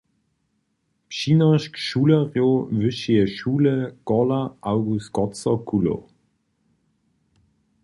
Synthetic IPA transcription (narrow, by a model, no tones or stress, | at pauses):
pʃiːnəʃkʃuːləʁjovʏʃiəʃuːləɡ̥ɔlaʔawɡust̚ɡ̥ɔt͡səkʰulo̰